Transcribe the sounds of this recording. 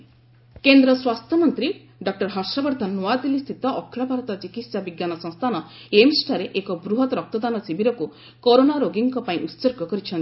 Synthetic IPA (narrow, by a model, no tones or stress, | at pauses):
kend̪ɾɔswast̪ʰɔmɔnt̪ɾi | ɖɔk̚ʈɔɾɦɔɾsɔbɔɾd̪ʱɔnnːuad̪ilist̪ʰit̪ɔʔɔkʰːɾɔbaɾɔt̪ɔt͡ʃikit̪sabiɡjanɔsɔ̃ŋst̪ʰanɔ | emsʈʰaɾeʔekɔbɾuɦɔt̪ɾɔk̚t̪ɔd̪anɔsibʱiɾɔku | koɾonaɾoɡiŋkɔpaĩʔut̪soɾɡɔkɔɾit͡ʃʰɔnt̪i